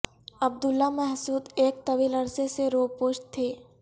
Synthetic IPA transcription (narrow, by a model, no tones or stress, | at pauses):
ɐb̚d̪ʊlːamɛɦsuːd̪eːk̚t̪ɐʋiːlɐɾseseɾoːpoːʃt̪ʰːeː